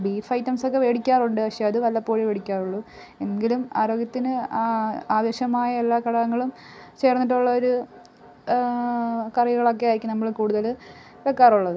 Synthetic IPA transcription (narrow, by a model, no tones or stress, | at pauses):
bifɐjtːɐmso̞kːe̞ʋeːɽikʲːaːruɳɖɨɐkʂɐjaɐðɨʋɐlːɐpːo̞ːɻiʋeːɽikʲːaːruɭːu | enɡilumaːɾo̞ːɡjɐt̪ːinɨ | aːʋɐɕɐmaːjɐelːaːkɐɽɐɣɐŋːɐɭum | t͡ɕe̞ːrnːiʈːuɭːɐoɾu | kɐrɐjuɣɐɭo̞kːe̞aːiɾikʲːumnɐmːɐɭkuːɽuðɐl | ʋekːaːruɭːɐðɨ